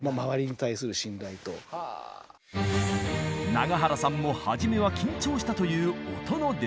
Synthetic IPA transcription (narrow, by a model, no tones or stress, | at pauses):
mamaβaɾʲiɲ̟it̪aisɨɾɯ̟ɕĩnd̪ait̪o̞̰ | naɡaɦaɾasãmːo̞haʑime̞β̞akʲĩɲ̟t͡ɕo̞ːɕi̥t̪at̪o̞jɯ̟ːo̞t̪o̞nod̪e